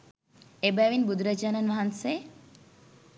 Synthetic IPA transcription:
ebæʋinbud̪uɾɐd͡ʒaːnɐnʋaɦɐnse

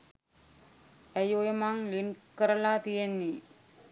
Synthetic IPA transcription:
æjojemaŋlinkəɾəlaːt̪ijenːi

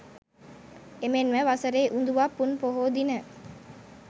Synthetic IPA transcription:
emenʋəʋasəɾeːʔund̪uʋapːunpoɦoːd̪inə

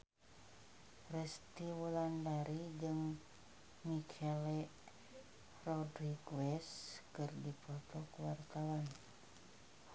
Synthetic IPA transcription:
rɛst̪iwulandaɾid͡ʒɨŋ | mikʰɛlɛ | rɔdɾiɡwɛskɨrdipɔt̪ɔkuwart̪awan

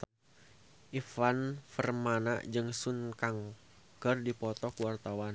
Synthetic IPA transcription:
ʔifanfərmana̰ʔd͡ʒɨŋsunkaŋ | kərdipɔt̪ɔkəwart̪awan

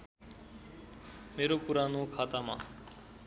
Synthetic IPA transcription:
meɾopuɾanokʰat̪ama̰

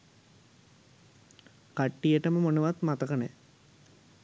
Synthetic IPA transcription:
kaʈːijəʈəməmonuʋat̪mat̪ɐkənḛ

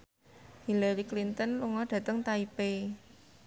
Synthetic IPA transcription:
hilaɾiklint̪ənluŋɔɖ̥ä̤t̪əŋt̪aipe

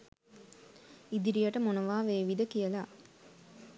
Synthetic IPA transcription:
id̪iɾijɐʈəmonɐʋaːʋeːʋid̪əkijɐla

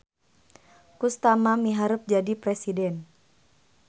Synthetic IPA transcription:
kust̪amamiɦaɾup̚d͡ʒadipɾesidɛn

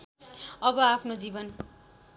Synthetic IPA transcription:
ʌbʌapʰnod͡zibʌn

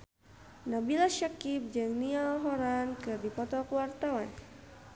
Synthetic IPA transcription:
nabilaʃakip̚d͡ʒɨŋnialɦɔɾankɨrdipɔt̪ɔkuwart̪awan

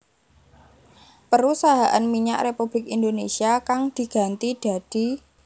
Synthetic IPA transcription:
pəɾusaɦaʔanmiɲa̰ʔrepub̥lɪkind̪onesiakaŋd̪̥i̤ɡ̥a̤nt̪id̪̥a̤d̪̥i̤

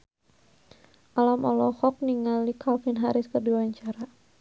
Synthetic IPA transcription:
ʔalamʔɔ̰lɔhɔk̚niŋalikʰalfɪnɦaɾɪskərduwaɲt͡ʃaɾa

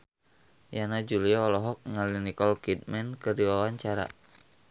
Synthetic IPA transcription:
janad͡ʒuliaːlɔɦɔk̚ŋalinikɔlkit̪̚mɛnkədiwawaɲt͡ʃaɾa̰

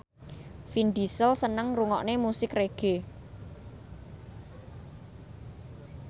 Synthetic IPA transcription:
finɖ̪i̤səlsənəŋruŋɔ̰ʔnemusɪkreɡ̥e̤

